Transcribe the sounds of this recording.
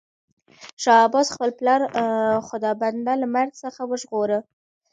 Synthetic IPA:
ʃɑːbɑzxpəlplɑɾxʊd̪ɑband̪alamaɾzsəxawəʒɣoɾə

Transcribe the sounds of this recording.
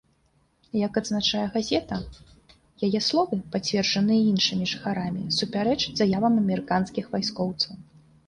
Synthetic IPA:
jɐkɐd̪znat͡ʂajɛɣazʲɛt̪ɐ | jajɛslˠɔvɨpat͡sʲvʲɛrd͡ʐɐnɨjɐinʂɨmʲiʐɨxaɾamʲisupʲaɾɛt͡ʂzajavɐmɐmʲɛɾɨkanskʲixvajskɔwt̪sɐw

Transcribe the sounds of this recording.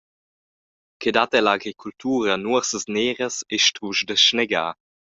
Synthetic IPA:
kʰedatɛlaɡɾikʰultʰuːʁənuəʁsəsneːʁəseʃtuʃdəʃnɛɡa̰ː

